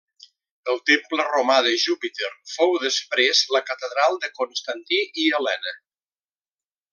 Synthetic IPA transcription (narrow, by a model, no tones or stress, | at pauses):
əlˠt̪empləromaðəʒupit̪eɾfowðəspɾezləkət̪əðɾalˠd̪əkonst̪ant̪iʔiəlɛnə